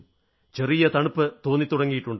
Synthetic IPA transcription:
t͡ɕerijɐt̪ɐɳupːɨt̪o̞ːnːit̪ːuɽɐŋːijiʈːuɳɖ

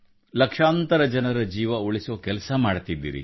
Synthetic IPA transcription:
lɐkʂaːnt̪ɐɾɐd͡ʒɐnɐɾɐd͡ʒiːʋɐuɭisoːkɛlɐsɐmaːɽt̪id̪ːḭːɾḭ

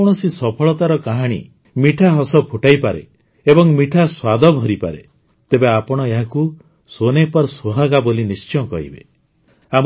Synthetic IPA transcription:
oɳ̃ɔsisɔpʰɔɭɔt̪aɾɔkaɦaɽ̃ḭ | miʈʰaɦɔsɔpʰuʈajpaɾe | ebɔŋmiʈʰaswad̪ɔbʱɔɾipa̰ɾḛ | t̪ebeapɔɽ̃ɔeɦaku | sonepɔɾsoɦaɡabolinist͡ʃɔkɔ̰ɦḭbe | am

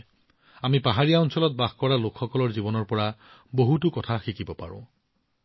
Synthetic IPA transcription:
amipaɦaɹijaɔnsɔlɔt̚baxkɔɹalokʰxɔkɔlɔɹzibɔnɔɹpɔɹa | boɦutukɔtʰaxikibɔpa̰ɹʊ̰̃

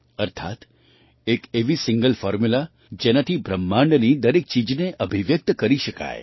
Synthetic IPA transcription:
əɾt̪ʰa̰t̪ | ekeʋisɪ̃ŋɡəlfɔɾmula | d͡ʒenat̪ʰibɾəmːãɳɖnid̪əɾek̚t͡ʃid͡ʒneʔəbʱiʋjək̚t̪kəɾiʃəka̰j

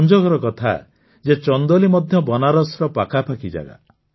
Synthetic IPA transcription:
nd͡ʒɔɡɔɾɔkɔt̪ʰa̰ | d͡ʒet͡ʃɔnd̪ɔlimɔd̪ʱjɔbɔnaɾɔsɾɔpakapakid͡ʒa̰ɡa̰

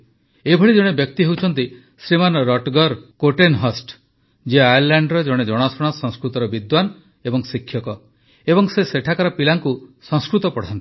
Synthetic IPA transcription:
ebʱɔɭid͡ʒɔɽ̃ebjɔk̚t̪iɦewt͡ʃʰɔn̪t̪i | sɾimanɾɔʈɡɔɾkoʈenɦɔsʈ | d͡ʒeajaɾlaɳɖɾɔd͡ʒɔɽ̃ed͡ʒɔɽ̃ɔsɔɽ̃ɔsɔ̃ŋskɾut̪ɔɾɔbid̪wan | ebɔŋsikʰːjɔkɔ | ebɔŋseseʈʰakaɾɔpilaŋkusɔ̃ŋskɾut̪ɔpɔɽ̤ant̪i̥

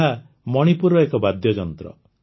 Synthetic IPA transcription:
ɦa | mɔɽ̃ipuɾɔekɔbad̪ʱjɔd͡ʒɔnt̪ɾɔ̰

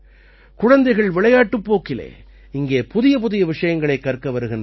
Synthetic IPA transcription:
kʊɻɐnd̪ɐɪɣɐɭʋɪɭɐjaːʈːɯpːoːkːɪlḛː | ɪŋɡeːpʊðɪjɐp̬ʊðɪjɐʋɪʂɐjɐŋɡɐɭɐɪkːɐrkɐʋɐɾɯɣɪndr

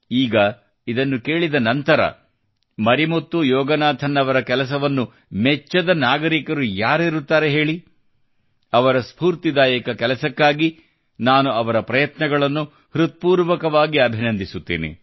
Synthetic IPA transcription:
iːɡɐ | id̪ɐnːuke̞ːɭid̪ɐnɐnt̪ɐɾɐ̰ | mɐɾimot̪ːujɔːɡɐnaːt̪ʰɐnːɐʋɐɾɐkɛlɐs̬ɐʋɐnːu | mɛt͡ʃːɐd̪ɐnaːɡɐɾikɐɾujaːɾiɾut̪ːaːɾeɦe̞ːɭi | ɐʋɐɾɐspuːɾt̪id̪aːjɐkɐkɛlɐsɐkːaːɡi | naːnuɐʋɐɾɐpɾɐjɐt̪nɐɡɐɭɐnːu | hɾut̪̚puːɾʋɐkɐʋaːɡiɐbʱinɐnd̪isut̪ːḛːnḛ

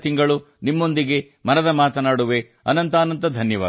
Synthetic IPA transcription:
t̪iŋɡɐɭu | nimːo̞nd̪iɡe̞ | mɐnɐd̪ɐmaːt̪ɐnaːɽuʋe̞ | ɐ̰nɐnt̪aːnɐnt̪̬ɐd̪ʱɐnjɐʋa̰ː

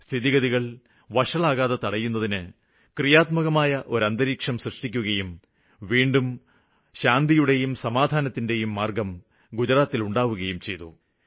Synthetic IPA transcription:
st̪ʰiðiɣɐðiɣɐɭ | ʋɐʂɐɭaːɣaːðɐt̪ɐɽɐjːunːɐðinɨ | krijaːt̪mɐɣɐmaːjɐʔo̞ɾɐnd̪ɐɾiːkʂɐmsrɨʂʈikʲːuɣɐjum | ʋiːɳɖum | ɕaːnd̪ijuɽe̞jumsɐmaːd̪ʱaːnɐt̪ːinde̞jumːaːrɡɐm | ɡud͡ʑɐɾaːt̪ːiluɳɖaːʋuɣɐjumt͡ɕe̞jt̪ːṵ

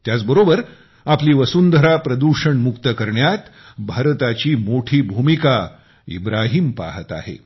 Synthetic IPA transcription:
t̪jat͡sbəɾobəɾ | apliːʋəsund̪ʱəɾapɾəd̪uʂəɳmukt̪əkəɾɳjat̪ | bʱaɾt̪at͡ɕiːmoʈʰiːbʱumika | ḭbɾaɦiːmpa̰ɦət̪a̰ɦḛ

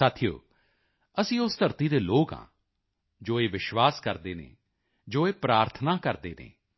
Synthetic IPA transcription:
saːt̪ʰijo̰ː | əsĩːʊst̪əɾt̪iːd̪eːloːkã̰ː | d͡ʒoːeːʋɪʃʋaːskəɾd̪eːnḛː | d͡ʒoːeːpɾaːɾt̪ʰənaːkəɾd̪eːnḛː

